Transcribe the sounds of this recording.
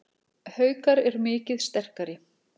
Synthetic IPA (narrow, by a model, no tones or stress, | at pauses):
hœːɥkaɾɛɾmɪːcɪðst̪ɛr̥kaɾɪ